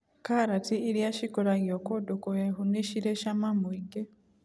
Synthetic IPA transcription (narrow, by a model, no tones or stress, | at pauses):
kaɾatiːɾjaʃikoɾaɣjokodokojeɦuneʃiɾeʃamamwiɡe